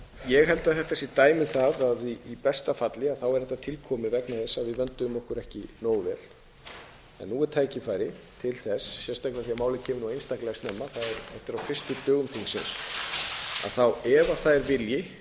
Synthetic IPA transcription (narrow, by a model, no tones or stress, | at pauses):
jɛɣɦɛlt̪aðθɛht̪ːɛsit̪aːjmɪθaðaðiipɛst̪afat̪lɪaðθawɛɾɛht̪at̪ʰɪlkʰɔːmɪvɛknaθɛsːaðvɪðvɛnt̪ʏmɔhkʏɾɛhcɪnoːwvɛ̰ːl̥ | ɛ̰nːuːɛɾt̪ʰaːjcɪfaːjɾɪt̪ʰɪlθɛsːjɛnst̪ajklɛaθiamaːwlɪcʰɛːmʏnuejnst̪aklɛast̪nɛmːaθaðɛɾɛft̪ɪɾawfɪr̥st̪ʏt̪œːɣʏmθʰiŋsɪ̰ns | a̰ðθawɛvaθaðɾvɪljɪ